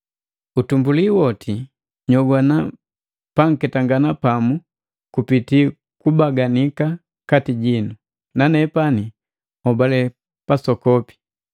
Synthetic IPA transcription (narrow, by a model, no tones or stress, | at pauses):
utumbuliwɔtʰi | ɲɔɡwana | paŋ̩kɛtaŋɡanapamu | kupiti | kubaɡanika | katiɟinu | nanɛpani | ɔbalɛ | pasɔkɔpi̥